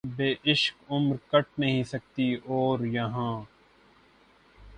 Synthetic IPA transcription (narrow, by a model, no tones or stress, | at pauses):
beːʔɪʃkʊmɾkɐʈ̚nɐɦĩsɐk̚t̪ioːɾjɐɦãː